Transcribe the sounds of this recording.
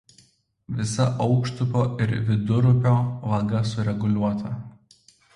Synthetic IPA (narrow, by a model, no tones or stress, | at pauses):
ʋʲɪsɐʔɒʊkʃt̪ʊpʲoːɪɾʋʲɪd̪ʊɾʊpʲoːʋɐɡɐsʊɾʲɛɡʊlʲuɔt̪ʰɐ